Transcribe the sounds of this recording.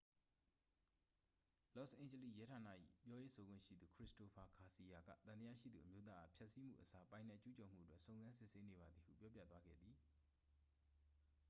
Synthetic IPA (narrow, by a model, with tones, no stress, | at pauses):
lɔ˦˨sʔẽ˨ɪ̃ɲə˨li˦˨jɛ˦tʰa˨na̰˦˨ʔḭ˦˨pjɔ˦je˦so˨ɡwɪ̰̃˦˨ʃḭ˦˨d̪u˨kʰɹɪ˦˨sto˨pʰa˨kʰa˨si˨ja˨ɡä̰˦˨t̪ã˨nt̪əja̰˦˨ʃḭ˦˨d̪ðṵ˨ʔəmjo˦t̪̬ða˦ʔa˨pʰjɛ˦ʔsi˦m̥ṵ˦˨ʔəsa˦pã˨ɪ̃nɛ˦˨ʔt͡ɕu˦t͡ɕɔ˨m̥ṵ˦˨ətwɛ˦ʔsõ˨ʊ̃nzã˦nsɪ˦˨se˦ne˨βa˨d̪ði˨hṵ˦˨pjɔ˦pja̰˦˨t̪wa˦ɡɛ̰˦˨d̪ði˨